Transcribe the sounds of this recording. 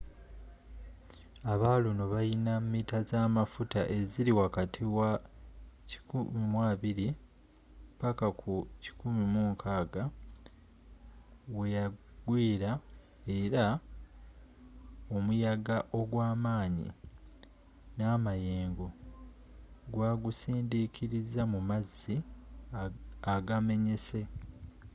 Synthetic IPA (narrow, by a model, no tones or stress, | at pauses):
aβaːluno̞βajinammitazaːmafutaʔe̞ziɾiwakatʰiwa | ci̥kumimwaːβiɾi | pakakʰuci̥kumimuːŋkʰaːɡa | we̞jaɡwiːɾa | e̞ɾa | o̞mujaɡaʔo̞ɡwaːmaːɲḭ | naːmaje̞ːŋɡo̞ | ɡwaːɡusiːndikʰiɾizamumazːi | aɡame̞ɲe̞se̞